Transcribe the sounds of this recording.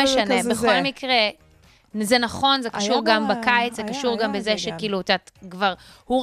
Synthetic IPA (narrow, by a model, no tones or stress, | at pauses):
eʃanebeχolmikʁe | zenaχo̞nzekaʃuʁɡambakait͡szekaʃuʁɡambezeʃekiːluatatkvaʁhu